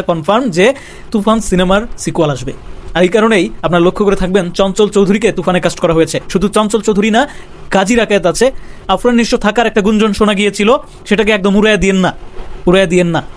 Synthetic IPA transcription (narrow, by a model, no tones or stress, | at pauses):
kɔnfaɾmd͡ʑe | t̪upʰansinemaɾsikualaʃbeaɾejkaɾonejap̚naɾlokʰːokoɾet̪ʰak̚bent͡ɕɔnt͡ɕolt͡ɕowd̪ʱuɾiket̪ufʰanekasʈkɔɾaɦojet͡ɕʰeʃud̪ʱut͡ɕɔnt͡ɕolt͡ɕowd̪ʱuɾina | ɡ̥ad͡ʑʱiɾakʰaet̪at͡ɕʰeafʰɾanniʃʃot̪ʰakaɾɛk̚ʈaɡund͡ʑonʃonaɡiet͡ɕʰilo | ʃeʈak̬eɛk̚d̪omuɾajad̪ienːauɾajad̪ijenːa